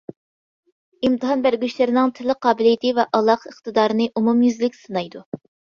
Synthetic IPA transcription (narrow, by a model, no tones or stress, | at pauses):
imt̪ɨɦɑnbæɾɡʲyʃlɪɾɪnɪŋt̪ʰɪlɪqʰɑːbɪlijɪt̪ʰɨvɛʔɑlˠːɑqəχt̪ɨd̪ɑːɾɨnɨʔumumjyzlɪkʲsɨnɑjd̪u